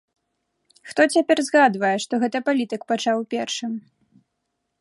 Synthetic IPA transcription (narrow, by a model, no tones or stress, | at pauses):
xt̪ɔt͡sʲapʲɛrzɣad̪vɐjɛʂt̪ɔɣɛt̪ɐpalʲit̪ɨkpat͡ʂawpʲɛrʂɨm